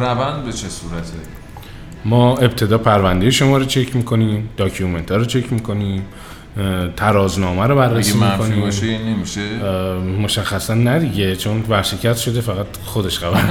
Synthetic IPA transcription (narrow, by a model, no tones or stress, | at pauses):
rævænd̪̚bet͡ʃʰesuːɾæt̪ʰe | mɒːe̞bt̪ʰe̞d̪ɒːpʰæɾvænd̪ejeʃo̞mɒːɾot͡ʃʰe̞cʰmiːkʰo̞niːmd̪̥ɒːcʰume̞nt̪ʰɒːɾot͡ʃʰe̞cʰmikʰo̞niːm | t̪ʰæɾɒːznɒːmæɾobærːesiːmmikʰoniːbɒʃejɒnemiʃemoʃæxːæsænːæd̪iɟe̞t͡ʃʰo̞nvæɾʃe̞cʰæst̪ʃo̞d̪efæɣæt̪ | xod̪e̞ʃɢævæɾ